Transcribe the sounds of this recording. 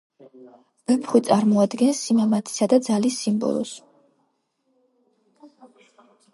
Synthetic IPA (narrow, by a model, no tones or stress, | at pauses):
b̥ɛpʰχwit̪sʼaɾmɔad̪ɡɛnsimamat̪ʰi̥sad̪ad̪zalisːimbɔ̰lˠɔ̰s